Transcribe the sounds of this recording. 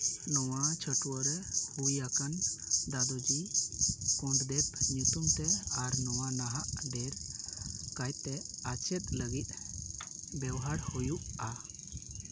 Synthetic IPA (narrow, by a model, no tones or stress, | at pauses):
nɔwat͡ʃʰəʈwəɾɛhujakand̪ad̪ɔd͡ʒi | kɔ̃ɳɖ̪d̪ɛpɲut̪umt̪ɛaɾnɔwanaɦaʔɖɛɾ | kajt̪ɛat͡ʃɛt̪̚ləɡit̪̚ˀ | bɛwɦaɾhujuʔa